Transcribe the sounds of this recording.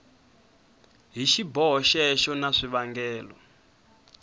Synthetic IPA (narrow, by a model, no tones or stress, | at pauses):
ɦiʃibɔɦɔʃɛʃɔnaʂiβaŋɡɛːlɔ̰